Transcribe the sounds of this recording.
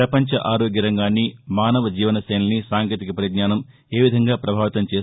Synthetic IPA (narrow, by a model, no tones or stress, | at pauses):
ɾɐpɐɲt͡ʃɐʔaːɾoːɡjɐɾɐŋɡaːnːimaːnɐʋɐd͡ʒiːʋɐnɐsɐːnɐnisaːŋkeːt̪ikɐpɐɾiɡnaːnɐm | e̞ːʋid̪ʱɐŋɡaːpɾɐbʱaːʋɐt̪ɐmt͡ʃeːs